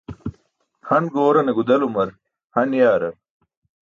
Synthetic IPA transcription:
hɐnɡoːɾɐneɡud̪ɐlumɐɾ | hɐnjaːɾɐ

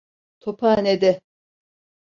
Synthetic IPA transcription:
t̪ʰopʰaːned̪ɪ

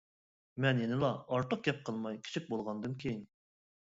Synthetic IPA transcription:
mɛnjenɪlˠɑɑɾt̪ʰəq̚ɡʲɛp̚qʰəlˠmɑjkʲʰi̥t͡ʃʰik̚ʲbolˠʁɑnd̪ɨnkʲʰejin

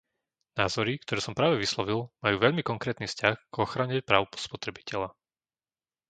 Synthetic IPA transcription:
naːzɔɾikt̪ɔɾɛːsɔmpɾaːʋɛʋislɔʋilˠmajuːʋɛʎmikɔŋkɾɛːt̪nifscaxɡ̥ɔxɾaɲɛpɾaːʊpspɔt̪ɾɛbicɛʎa

